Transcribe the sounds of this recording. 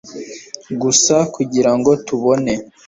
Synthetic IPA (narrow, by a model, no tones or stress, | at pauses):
ɡusakuɟiɾaŋɡo̞tuβo̞ne̞